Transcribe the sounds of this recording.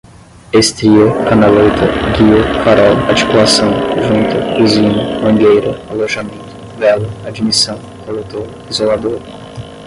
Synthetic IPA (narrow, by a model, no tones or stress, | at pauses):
est̪ɾiʊkanalojt̪ʰɐɡiʊfaɾɔwaɾt͡ʃi̥kulasɐ̃w̃ʒũnt̪ʊkuzĩnʊmɐ̃ŋɡejɾʊaloʒamẽnt̪ʊ̥ | vɛlʊad͡ʒimisɐ̃w̃kolet̪oɾ | izolad̪oɾ